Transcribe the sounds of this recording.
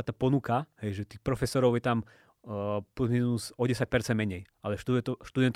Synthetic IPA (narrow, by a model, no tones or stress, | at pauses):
at̪aːpɔnukaɦɛjʒɛt̪iːxpɾɔfɛsɔɾɔʊjɛt̪am | pɔzmɛnuzɔɟɛsac̚pɛɾt͡sɛnmɛɲɛjʔalɛʃt̪uʃt̪ud̪ɛnt̪